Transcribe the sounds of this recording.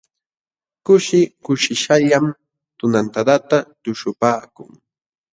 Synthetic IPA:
kʊʃɪkʊʃɪʃaʎam | t̪ʊnant̪ad̪at̪at̪ʊʃʊpaːkʊ̰ŋ

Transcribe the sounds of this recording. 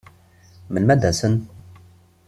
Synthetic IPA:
mənmæd̪ːæsən

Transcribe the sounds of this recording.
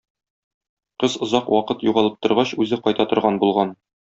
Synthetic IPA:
qɤzŏzɑqwʔɒqɤt̪juʁɑlˠɤp̚t̪ŏɾʁɑɕʉzɘqɒjt̪ɑt̪ŏɾʁɑnbulˠʁɑn

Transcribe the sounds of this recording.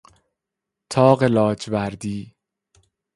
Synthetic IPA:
t̪ʰɒːɢelɒːd͡ʒvæɾd̪iː

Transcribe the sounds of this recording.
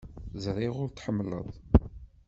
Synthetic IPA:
zɾˤiʁʊɾt̪ħəmːlə̰ðˤ

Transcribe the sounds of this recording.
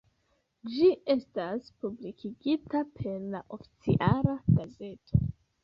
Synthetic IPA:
d͡ʒiʔe̞staspublikʰiɡitapʰe̞ɾlaʔo̞fi̥t͡sḭʔalaɡ̥aze̞tʰo̞

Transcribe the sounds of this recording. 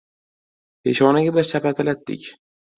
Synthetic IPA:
pʰeʃɒnɪɡʲabɪɾsapat̪ʰɪlat̪d̪ɪ̰kʲ

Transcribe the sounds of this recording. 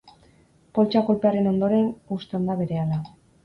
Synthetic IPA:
po̞lt͡ʃako̞lpe̞aɾe̞no̞nd̪o̞ɾe̞nust̪eond̪aβe̞ɾe̞ala

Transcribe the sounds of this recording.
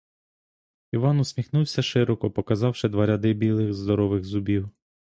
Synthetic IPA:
iʋɑnʊsʲmʲixnuwsʲɐʃɪɾɔkɔpɔkɐzɑwʃɪd̪ʋɐɾʲɐd̪ɪbʲilˠɪɣzd̪ɔɾɔʋɪɣzʊbʲiw

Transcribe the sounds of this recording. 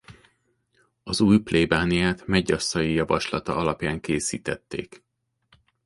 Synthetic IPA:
ɒzuːjpleːbaːnijaːt̪mɛɟːɒsːɒjijɒvɒʃlɒt̪ɒ̰ɒlɒpjaːŋkeːsḭːt̪ɛt̪ːḛːk

